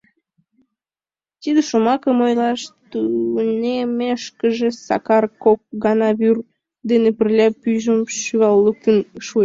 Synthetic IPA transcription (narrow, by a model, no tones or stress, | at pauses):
t̪id̪əʃomɑkəmojlɑʃt̪unemeʃkəʒesɑ̰kɑrkok̚ɡɑnɑβyr | d̪enepərlʲɑpyʒəmʃyɣɑlːək̚t̪ənʃue